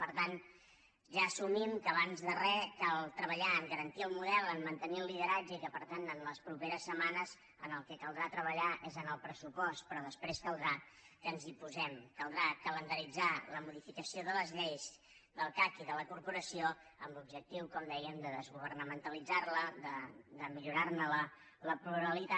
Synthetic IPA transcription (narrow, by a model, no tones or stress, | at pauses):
pəɾt̪an | ʒaəsumimkəːβanzðərɛkalˠt̪ɾəβəʎaəŋɡəɾənt̪iəlˠmuðɛlˠənmənt̪əniəlˠːiðəɾad͡ʒəikəpəɾt̪anənləspɾupeɾəsːəmanəz | ənəlˠkɛkəlˠd̪ɾat̪ɾəβəʎaʔezənəlˠpɾəsupɔst̪̚pɾɔðəspɾeskəlˠd̪ɾa | kənzipuzɛmkəlˠd̪ɾakələnd̪əɾid͡zaləmuðifikəsioðələzʎejz | d̪əlˠkakiðələkurpuɾəsioəmlub̚ʒək̚t̪iwkɔmd̪ɛjəmd̪əðəzɣuβ̞ərnəmənt̪əlid͡zarləd̪əd̪əmiʎuɾarnələ | ləpluɾəlit̪a